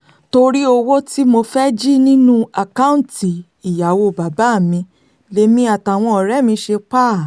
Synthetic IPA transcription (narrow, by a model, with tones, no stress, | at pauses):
to˧ɾi˦o˧wo˦ti˦mo˧fɛ˦d͡ʒi˦nĩ˦nũ˦a˨kã˦ũ˦ti˨ | i˨ja˨wo˧˨ba˨ba˨˦˨mĩ˧ | le˧˦mĩ˦a˨ta˨w̃ɔ̃˧ɔ˨ɾɛ˨˦˨mĩ˧ʃe˧k͡pa˦˨